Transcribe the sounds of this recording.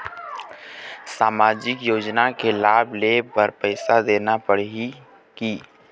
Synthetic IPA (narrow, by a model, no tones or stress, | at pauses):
saːmaːd͡ʒɪkjoːd͡ʒnakelaːbʱlebəɾpəɪsad̪eːnapəɽi | kiː